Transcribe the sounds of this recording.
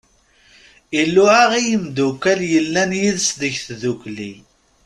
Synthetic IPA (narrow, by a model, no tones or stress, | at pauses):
ilːʊʕaʁijəmd̪ukːæljəlːænjiðsðəʝθðuklḭ